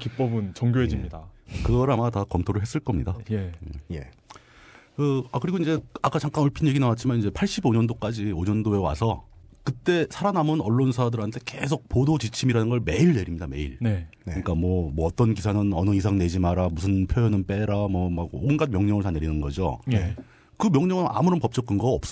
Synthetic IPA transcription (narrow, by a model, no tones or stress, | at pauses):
kip͈ʌbɯnt͡ɕʌŋɡjoɦed͡ʑimɲidakɯɡʌɾamatakʌmtʰoɾɯɭɦe̞s͈ɯɭk͈ʌmɲidaeeje | kɯakɯɾiɡoinɲd͡ʑe̞ak͈at͡ɕaŋk͈anoɭpʰinje̞ɡinawat̚t͡ɕ͈ʰimanind͡ʑe̞pʰaɭɕ͈iboɲʌndok͈ad͡ʑioɲʌndoe̞wa̰sʰʌkɯt͈e̞sʰaɾanamɯnʌɭːonsʰadɯɾɦantʰe̞ke̞sʰok̚podot͡ɕit͡ɕʰimiɾanɯnɡʌɭme̞iɭne̞ɾimɲidame̞iɭnɯɲik͈amwʌmʌːt͈ʌnkisʰanɯnʌnɯis̬ʰaŋne̞d͡ʑimaɾamusʰɯnpʰjojʌnɯnp͈e̞ɾamʌmaɡoɡɯnɡadmjʌŋɲʌŋɯɭt͡ɕaneɾinɯnɡʌd͡ʑo̰ | kɯmjʌŋɲʌŋɯna̰muɾʌnpʌp̚t͡ɕ͈ʌk͈ʰɯnɡʌʌp̚s͈ʌ